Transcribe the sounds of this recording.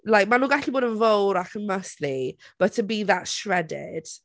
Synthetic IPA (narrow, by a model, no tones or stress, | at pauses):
lajk̚manuːɡaɬiboːdənvowɾakʰənməslib̥ətʰəbiðatʃɹɛdɪ̰d̥